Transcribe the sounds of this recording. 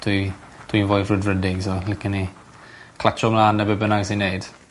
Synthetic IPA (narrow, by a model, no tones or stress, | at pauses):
tʰwitʰwinvɔjvrədrədɪɡsɔlɪkəni | kʰlat͡ʃʰɔmlaːnːɛbəbənaɡsinːejd̥